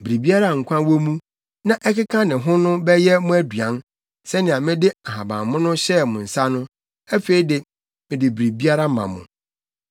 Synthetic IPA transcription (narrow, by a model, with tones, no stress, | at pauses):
bɾi˨bi˦a˦ɾa˦˨ŋ̩˨kʷʰã˦wo˦mũ˦ | nã˦ʔɛ˦kɪ˦kʰã˦nɪ̃˨ɦʊ̃˦nʊ̃˦bɛ˦jɛ˦mʊ̃˦æ˦dɥã˨˦n | sɛ˦nɪ̃˨a˨mɪ̃˦dɪ˦a˨ɦa˨bã̰˨mmʊ̃˦nʊ̃˦ɕɛ˦mʊ̃˨n̩˨sa˦nʊ̃˦ | æ˦fe˨˦i˦dɪ˨ | mɪ̃˨dɪ˨bɾi˨bi˦a˦ɾa˦mã̰˨mʊ̰̃˨